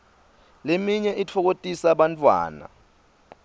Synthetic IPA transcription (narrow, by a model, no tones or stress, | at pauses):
lemiɲɛʔit͡fʰɔk̬otʼisaɓant͡fʰʼwa̰ːna̰